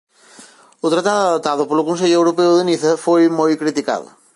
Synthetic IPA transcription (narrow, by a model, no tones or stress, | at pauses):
ʊt̪ɾat̪aðaðot̪aðopolʊkuns̬eʎʊewɾopewðeniθɐfojmojkɾit̪ika̰ðʊ̰